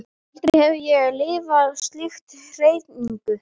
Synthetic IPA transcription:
an̥t̪ɾɪhɛvʏjɛɣlɪːvaðst̪lɪxt̪ | r̥eːjt̪niŋkʏ

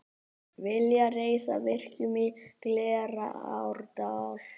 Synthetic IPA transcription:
vɪljareːjsa̰vɪr̥cʏmɪt̪lɛːɾa̰a̰wɾt̪awl̥

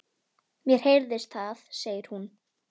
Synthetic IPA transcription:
mjɛɾ̥hejɾðɪst̪θaθseːjɪɾ̥hun

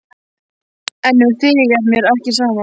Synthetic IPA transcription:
ɛnːʏθɪjɪɣɛmjɛɾɛhcɪsaːma

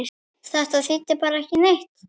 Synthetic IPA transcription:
θaht̪aðsit̪ːɪpaːɾaɛhcɪnejht̪

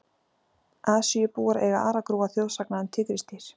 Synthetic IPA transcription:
aːsjɛpuːɣaɾɛɣa̰ʔaːɾakɾuːɣaθjowlsaknaʏnt̪ʰɪkɾist̪ɪɾ̥

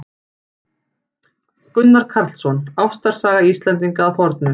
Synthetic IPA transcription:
kʏnːaɾ̥kʰaɾt̪l̥sɔnawst̪aɾ̥saːɣaist̪lɛnt̪̬iŋkaːðfɔɾt̪̚nʏ

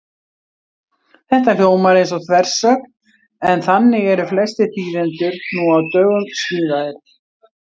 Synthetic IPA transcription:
θɛht̪akoːwmaɾejnsɔθʰvɛr̥sœːkn | ɛnθanːɪɛɾʏflɛst̪ɪθiːðɪnt̪ʏɾnuawt̪œːɣʏmst̪iːðaðɪɾ̥

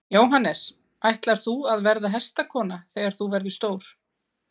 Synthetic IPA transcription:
joːwɦanːɛs | ajht̪laɾ̥θuaðvɛɾðaɦɛst̪akʰɔːnaθɛːɣaɾ̥θuvɛɾðʏst̪oːwɾ̥

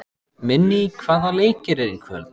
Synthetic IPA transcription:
mɪnːɪkʰv̥aːðaleːjcɪɾɛɾikʰœ̰ːl

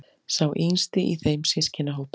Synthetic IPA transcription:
sawʔinst̪ɪʔiθejmsɪscʰɪnaɦoːwp

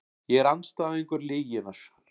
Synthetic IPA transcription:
jɛɣɛɾanːst̪aːðeŋkʏɾlɪːjɪnas

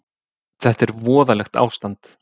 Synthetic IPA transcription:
θɛht̪ɛɾvɔːðalɛxt̪a̰ːwst̪ant̪

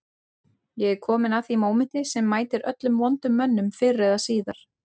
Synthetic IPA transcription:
jɛɣɛkʰɔːmɪnaθimoːwmɪnt̪ɪsɛmːaːjt̪ɪɾœ̰t̪lʏmvɔnt̪ʏmːœnːʏmfɪrːɛðasiːðaɾ̥

